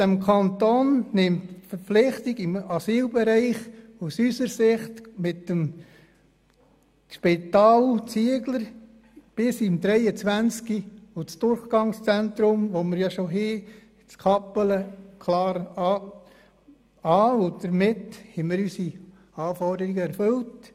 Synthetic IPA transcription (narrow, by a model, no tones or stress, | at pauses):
d̥æmkʰɑntoːnnɪmtfəɾpflɪχt̪iɡ̥ɪmɑsiːlbɛɾɛɪχusysəɾsɪχt̪mɪt̪ːəm | ʃpɪt̪ɑːlt͡siəɡləɾ | b̥ɪsimdɾɛɪət͡sʋænt͡skiʊt͡sd̪̥ʊɾχɡ̥ɑŋst͡sænt̪ɾʊmʋoməɾjɑʃoɦiː | t͡skʰɑpələkʰlɑːɾɑ | ɑːʊd̥̪əɾmɪthɛmɪɾysi | ɑːfɔrdəɾiɡəɛɾfɵlt